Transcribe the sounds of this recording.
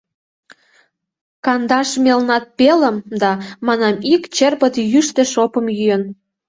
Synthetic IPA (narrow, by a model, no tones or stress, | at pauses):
kɑnd̪ɑʃmelnɑt̪̚peləmd̪ɑmɑnɑmikt͡ɕerpət̪jyʃt̪ĕʃopə̆mjyjən